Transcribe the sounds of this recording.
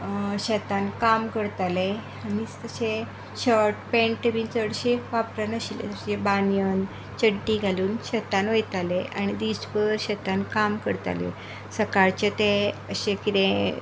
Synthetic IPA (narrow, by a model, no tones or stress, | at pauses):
ɕət̪ankamkəɾt̪ale | amiːt͡st̪əɕe | ɕəɾʈpẽɳʈəbint͡səɽɕeʋapɾənəɕilḛt̪əɕebanjən | t͡ɕəɽʈiɡʱaluːnɕət̪anʋəjt̪alea̰ɽ̃ñid̪ispəɾɕət̪ankamkəɾt̪a̰lḛ | səkaɾt͡ɕet̪ẽəɕẽkit̪ẽ